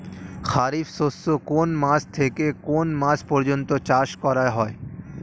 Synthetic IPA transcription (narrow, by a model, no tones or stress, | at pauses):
xaɾifsosːokonmãst̪ʰekekonmãspɔɾd͡ʒɔnt̪ot͡ʃaʃkɔɾaeɦɔe